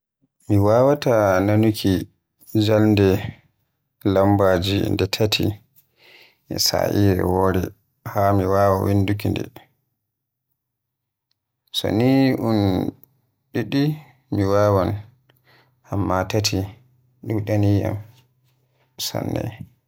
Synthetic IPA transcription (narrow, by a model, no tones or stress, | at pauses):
miwawatananukʰi | d͡ʒalndɛ | lambad͡ʒḭndɛtʰatʰi | sa̰ʔiɾɛ̰wɔːɾɛ̰ | hamiwaːwawindukindɛ̰ | sɔ̰niʔun | ɗiɗi | miwaːwan | ʔamːatatʰi | ɗuɗania̰m | sa̰nːɛ̰